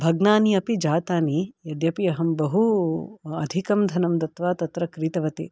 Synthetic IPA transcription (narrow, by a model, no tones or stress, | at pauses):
bʱɐɡnaːniɐpid͡ʒaːt̪aːnijɐd̪jɐpiɐɦɐmbɐɦu | ɐd̪ʱikɐmd̪ʱɐnɐmd̪ɐt̪ʋaːt̪ɐt̪ɾɐkɾiːt̪ɐʋɐt̪ḭ